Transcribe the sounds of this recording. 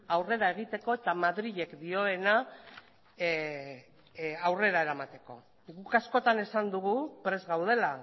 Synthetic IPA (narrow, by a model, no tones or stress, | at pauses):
awre̞ɾae̞ɣ̞it̪e̞ko̞e̞t̪amaðɾiʎe̞kd̪io̞e̞na | awre̞ɾae̞ɾamat̪e̞ko̞̰ | ɡukasko̞t̪ane̞sand̪uɣ̞upɾe̞zɣawð̞e̞la